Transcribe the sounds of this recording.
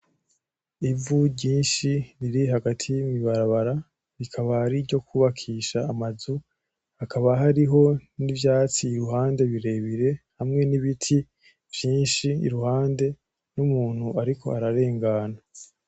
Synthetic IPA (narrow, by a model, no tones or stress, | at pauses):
ivuɟiːnʃiɾiɾihaɡatʰijimiβaɾaβaɾa | ɾikʰaβahaɾiɾɟo̞kuβakʰiʃaːmazu | akʰaβaɦaɾiɦo̞nivjaːt͡siːɾuɦaːnde̞βiɾe̞βiɾe̞hamŋe̞niβitʰi | vjiːnʃiḭɾuhaːnde̞ | numuːn̥huaɾikʰo̞̰aɾaɾe̞ːŋɡaːna